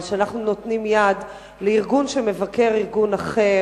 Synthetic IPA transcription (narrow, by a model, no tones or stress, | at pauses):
ʃeanaχnunot̪nimjad̪ | leiʁɡunʃemevake̞ʁiʁɡunaχe